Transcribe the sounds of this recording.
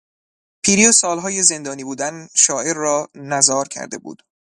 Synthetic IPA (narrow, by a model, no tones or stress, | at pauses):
pʰiːɾiesɒːlɦɒːje̞ze̞nd̪ɒːniːbuːd̪ænʃɒːʔe̞ɾːɒːnæzɒːɾcʰæ̰ɾd̪e̞̰bṵːd̪̥